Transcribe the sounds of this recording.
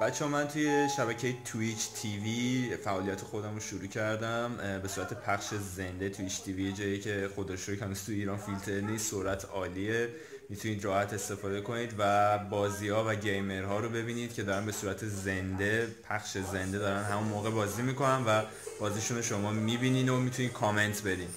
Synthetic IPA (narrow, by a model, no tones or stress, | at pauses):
b̥æt͡ʃʰːeɦɒmænt̪ʰuje̞ʃæβæcʰe̞jet̪ʰuit͡ʃʰt̪ʰivifæʔɒːlijæt̪ʰexo̞d̪æmɾoʃuɾuːcʰæɾd̪æmbe̞suːɾæt̪ʰe̞pʰæxʃeze̞nd̪e̞t̪ʰuit͡ʃt̪ʰivijed͡ʒɒːjecʰe̞xod̪eʃuɾucʰænust̪ʰujiːɾɒːnfilt̪ʰe̞ɾnissoɾæt̪ʰɒːlie | mit̪ʰuniːd̪ɾɒːhæt̪ʰe̞st̪e̞fɒːd̪e̞kʰo̞niːd̪væbɒːziːhɒːvæɟe̞jme̞ɾɦɒːɾobe̞biːniːd̪̥̚cʰe̞d̪ɒːɾænbe̞suːɾæt̪ʰe̞ze̞nd̪e̞pʰæxʃe̞ze̞nd̪e̞d̪ɒːɾænɦæmunmoːɣe̞bɒːzimiko̞nænvæ | b̥ɒːziʃunoʃo̞mɒːmibiːniːnomit̪ʰuniːd̪̚kʰɒme̞nt̪ʰbe̞d̪iːn